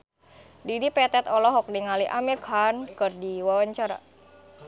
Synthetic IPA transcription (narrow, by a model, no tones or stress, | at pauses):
didipɛt̪ɛt̪ɔlɔɦɔk̚niŋaliʔamirkʰankɨrdiwawaɲt͡ʃaɾa̰